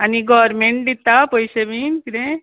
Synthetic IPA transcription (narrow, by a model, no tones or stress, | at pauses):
aniɡɔʋɾmeɳʈ̚d̪it̪ːapɔjɕeʋinkiɾẽ